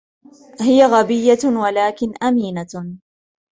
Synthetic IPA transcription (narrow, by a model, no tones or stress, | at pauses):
hɪjaɣabɪjːawalaːkɪnʔamiːna